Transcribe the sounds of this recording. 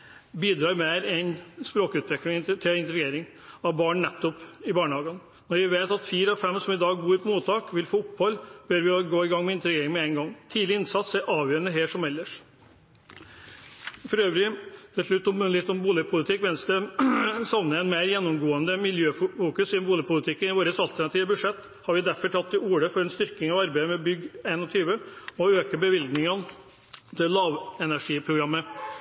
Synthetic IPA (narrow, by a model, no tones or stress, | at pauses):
biːd̪ɾɑːɾmeːɾɛnspɾoːkʉːt̪ʋɪklɪŋt̪ʰɪɪnt̪əɾɡeːɾɪŋ | ɑʋbɑːɳnɛt̪ːɔpɪbɑːɳəhɑːɡən | nɔɾjɪʋeːt̪ɑt̪fiːɾəɑfɛmsɔmɪd̪ɑːɡbuːɾpʰɔmuːt̪ʰːɑːkʋɪlfoːʊpːhɔlːb̥œɾʋɪɔɡoːɪɡɑŋmɛɪnt̪əɾɡeːɾɪŋmɛɛŋɡɔŋt̪ʰiːd̪lɪɪnsɑt̪sɛɾʔɑːʋjøːɾənəɦeːʂɔmɛlːəʂ | fɔɾøːʋɾɪt̪ʰɪlʂlʉt̪ːɔmʉnlɪeːt̪ɔmbuːlɪpʰʊlɪt̪ʰɪkːʋɛnsd̪ɛsɑʋnəɛnmeɪɾjɛnːɔmɡoːənd̪əmɪljøːffuːkʉsɪmbuːlɪpʰʊlɪt̪ʰɪkːənɪʋoːɾəsɑlt̪ʰæɳɑt̪iːʋəbʉʂɛt̪ː | hɑɾʋɪd̪æɾfɔʈʰɑt̪ːɪuːɽəfɔɾɛnst̪ʏɾkɪŋɑʋɑɾbæɪəmɛbʏɡeːnɔt̪ʰyːʋəɔøːkəbəʋɪlɡ̪nɪŋɑn | t̪ʰɪlːɑːʋɛnæʂiːpʰɾʊɡɾɑmːə